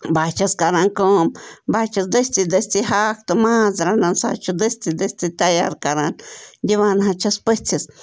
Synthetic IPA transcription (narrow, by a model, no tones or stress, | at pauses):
bat͡ʃaskaɾãŋkombat͡ʃasd̪est̪id̪est̪ihakt̪omãsɾanãnsa̰t͡ʃud̪est̪id̪est̪it̪ajaɾkaɾannd̪ʲiβanaɦãt͡ʃʰaspet͡sas